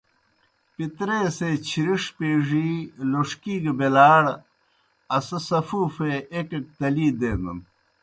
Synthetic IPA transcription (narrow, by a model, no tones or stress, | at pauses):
pit̪ɾeːseːt͡ɕʰiɾiʂpeːʐiːloʂkiːɡebelaːɽ | ɐsɐsɐfuːfeekek̚t̪ɐliːd̪eːnɐn